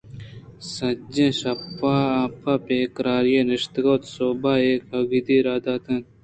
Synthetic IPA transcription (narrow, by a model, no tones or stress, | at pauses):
sɐd͡ʑẽɕɐpːaapʰapeːkɾaːɾjeːniʂt̪ɡot̪soːbaːeːkɐɡid̪iːɾaːd̪aːt̪ɐn